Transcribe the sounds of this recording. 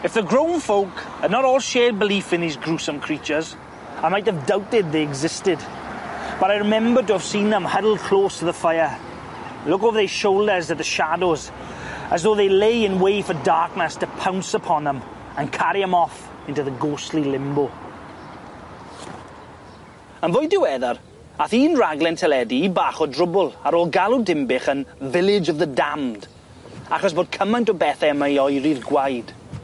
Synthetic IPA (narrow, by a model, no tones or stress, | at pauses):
ɨfðəɡɹõʊ̃nfoʊkhədⁿnəɾɔːlˠʃɛːd̚bɪliˑfɪ̃nðiːzɡɹusə̃mkʰɹ̥iˑt͡ʃəz | aɪmaɪthəvdaʊtɪd̪̚ðeɪɪɡzɪstɪd | b̥ʌɾaɪɹɪmɛ̃mbətəəv̥sĩːnðə̃mhʌdl̩ˠd̚kʰl̥oːstʰəðəfaɪə | lʊkoʊvəðəz̥ʃoʊlˠdə˞zət̪̚ðəʃadoʊz | əzðoʊðeɪleɪɪ̃nweɪfədaɹknəstʰəpʰãʊ̃nsəpʰɔ̃nðə̃m | ə̃nkʰaɾiəmɔf | ɪ̃ntuðəɡoːslilɪmbʊ | ənvojdɪwɛðɔɾ | aθiːnraɡlˠɛntʰɛlɛdiːbaːχɔdrʊbʊlˠaɾoːlˠɡalˠudɪmbɪχənvɪlˠɪd͡ʒɔvðədamd̥ | aχɔs̬b̥oːd̚kʰəmãj̃ntɔbɛθɛəmaɔjɾirɡwajd̥